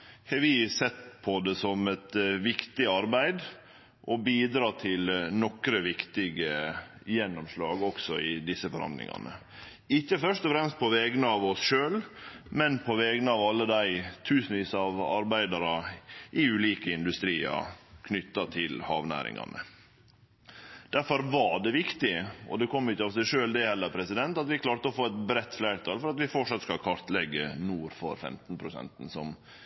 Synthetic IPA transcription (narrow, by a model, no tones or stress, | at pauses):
hɛʋɪsɛt̪ːpʰɔd̪ɛsɔmɛt̪ʋɪkt̪ɪɑɾbæɪd̪ | ʔɔbiːd̪ɾɑːt̪ʰɪlnɔkɾəʋɪkt̪ɪɡəjɛnːɔmʂlɑːɡɔksɔɪd̪ɪsːəfɔɾɑ̰nd̪lɪ̰ŋɑ̰nə̰ | ɪçːəfœʂt̪ɔfɾɛmst̪̚pʰɔʋɛːɡnəɑʋɔsʃøːlmɛnpʰɔʋɛːɡnəɑːʋɑlːəd̪æɪt̪ʰʉːsnəʋiːsɑʋɑ̰ɾbæɪd̪ɑɾɑʔɪʉːliːkəɪnd̪ʉst̪ɾiːɑ̰kʰnʏt̪ːɑt̪ʰɪlhɑ̰ːʋnæ̰ːɾɪ̰ŋɑ̰nə̰ | d̪̥æɾfɔɾʋɑɖɛʋɪkt̪ɪɔ̰d̪ɛkʰɔmːɪçːəɑʋsæɪʂøːld̪ɛhɛlːəɾpʰɾɛsɪd̪ɛnt̪ɑt̪ʋɪkʰlɑːɾt̪əɔfoːɛt̪bɾɛt̪ːflæɪɾt̪ʰɑːlfɔɾɑt̪ʋɪfɔʈʂɑt̪skɑlkʰɑɾt̪lɛɡːə̰nuːɾfɔ̰ɾfɛ̰mt̪n̩pʰɾʊsɛ̰nt̪n̩sɔm